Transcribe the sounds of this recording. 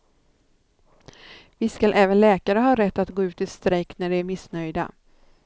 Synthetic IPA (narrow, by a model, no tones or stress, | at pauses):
vɪskalʔɛːvənlɛːkaɾəɦɑːɾɛt̪ːat̪ɡoːʉ̟ːt̪ɪst̪ɾɛkt̪næɖɛæɾmɪsnœjd̪a̰